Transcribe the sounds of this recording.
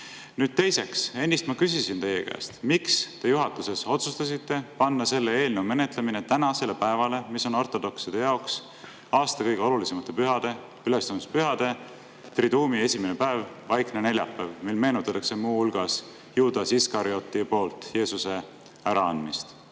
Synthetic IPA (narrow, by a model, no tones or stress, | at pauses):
nyːd̪̥̚t̪e̞jse̞kse̞nʲːist̪mɑkysisint̪e̞jːḛkæ̰ːst̪mikst̪e̞juɦɑt̪ːˑuse̞so̞t̪sust̪ɑsit̪ːe̞pɑnːɑse̞lːe̞e̞ːlnewme̞net̪ˑle̞mine̞t̪ænɑse̞le̞pæe̞vɑle̞miso̞no̞rt̪ˑo̞d̪o̞ksid̪̥e̞jɑoks | ɑːst̪ɑkɤjɡ̥e̞o̞lulisemɑt̪ːˑe̞pyɦɑd̪̥e̞ | ylest̪ɑmspyɦɑd̪̥e̞ | t̪rid̪uːmie̞simenepæev | vɑjkne̞ne̞lʲjɑ̰pːˑævmilme̞ːnut̪ːˑɑt̪ːˑɑkse̞muːhulɡ̥ɑs | juːd̪̥ɑsiskɑɾio̞t̪ːipo̞ːlt̪ˑje̞ːsuse̞ | æɾɑɑnd̪mist̪